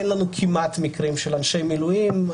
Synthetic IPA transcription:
enlanukʰimat̪mikʁimʃelanʃe̞jmilujim

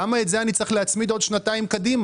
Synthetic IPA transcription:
amaetzeanit͡sʁeχleat͡smid̪o̞d̪ʃnat̪aimkad̪im

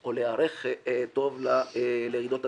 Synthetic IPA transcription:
oleaɾeχt̪o̞vlaleʁid̪ot̪a

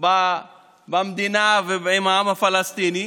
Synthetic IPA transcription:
ba | bɐmd̪inaːvimaːmɐfɐlɐst̪iːni

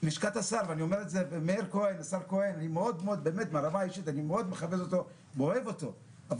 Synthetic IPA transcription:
miʃkat̪asaʁveanio̞meʁetzevemeeʁkoenasaʁkoenanimeo̞d̪meo̞d̪̚be̞ːme̞tmeaʁamaiʃit̪animeod̪meχavezot̪o̞ | moevo̞t̪o̞ | av

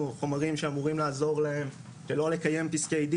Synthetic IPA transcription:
uχo̞maʁimʃeamuʁimlaːzo̞ʁlae̞m | ʃelo̞le̞kaje̞mpiskejd

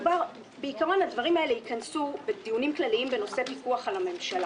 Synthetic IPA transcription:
ubaʁ | beikaʁo̞nadvaʁimaele̞ikɐnsubed̪ijunimklaliimbe̞no̞sepikuaχalame̞mʃala

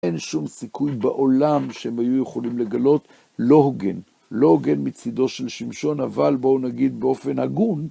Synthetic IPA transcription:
enʃumsikujbaʔo̞lamʃehemhajujeχolimle̞ɡalo̞t̪ | lo̞hoɡen | lo̞hoɡe̞nmit͡sid̪o̞ʃelʃimʃo̞navalbo̞unaɡid̪̚beo̞fe̞nhaɡun

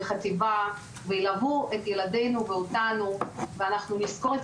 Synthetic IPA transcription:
χativa | veilavuetjelade̞jnuveotanuveanaχnunisko̞ʁet

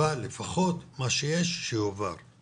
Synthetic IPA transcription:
ale̞faχo̞t̪maʃejeʃːejova̰ʁ

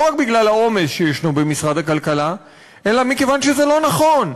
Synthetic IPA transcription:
ʁak̚biɡlalao̞mesʃejeʃnobemisʁad̪hakalkala | ʔe̞lamike̞vanʃezelo̞naχo̞n

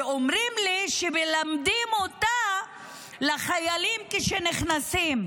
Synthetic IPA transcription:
omʁimliʃemelamd̪imot̪a | laχajalimkeʃeniχnasim

